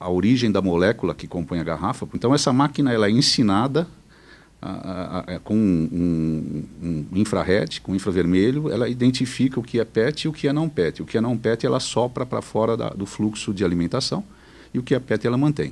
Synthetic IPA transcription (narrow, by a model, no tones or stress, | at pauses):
ɐoɾiʒẽj̃d̪ɐmolɛkulɐkɪkõmpõj̃ɐɡaɦafɐpẽt̪ɐ̃w̃ɛsɐmakinɐɛlɐɛẽsinad̪ɐ | a̰a̰a̰kõũ | ũĩfɾɐ̰ɦɛt͡ʃɪ̥kõĩfɾɐveɾmeʎʊɛ̰lɐid̪ẽnt͡ʃifikɐʊkɪɛpɛt͡ʃ̪ɪʊkɪɛnɐ̃w̃pɛt͡ʃ̪ɪʊkɪɛnɐ̃w̃pɛt̪ɪɛ̰lɐsɔpɾɐpɾɐ̰fɔɾɐd̪ɐ̰d̪ʊfluksʊd͡ʒɪalimẽnt̪asɐ̃w̃ | ɪʊkɪɛpɛt̪ɪɛlɐmɐ̃nt̪ẽj̃